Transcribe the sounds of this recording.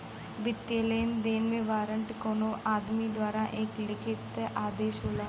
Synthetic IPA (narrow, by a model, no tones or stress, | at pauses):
ʋɪt̪jəleːnd̪eːnmẽʋaːɾəɳʈkoːnoʔaːd̪mid̪waːɾaʔeːklɪkʰɪt̪aːd̪eːʃɦoːlaː